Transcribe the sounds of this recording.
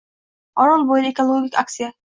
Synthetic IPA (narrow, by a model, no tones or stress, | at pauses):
ɒnɑnbojlekolˠoɡʲikʲak̚t̪sija